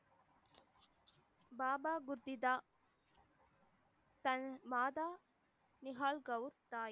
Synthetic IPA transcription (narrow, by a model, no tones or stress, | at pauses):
baːbaːɡuɾd̪id̪a | t̪ɐnmaːd̪aː | niɦaːlɡɐwɾt̪aːj